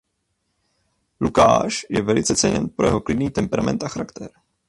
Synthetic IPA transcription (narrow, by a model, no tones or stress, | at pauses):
luka̰ːʃjɛvɛlɪt͡sɛt͡sɛɲɛ̰npɾo̞jɛɦo̞klɪdniːt̪ɛmpɛɾamɛ̰nt̪ʔaxaɾakt̪ʰɛ̰ɾ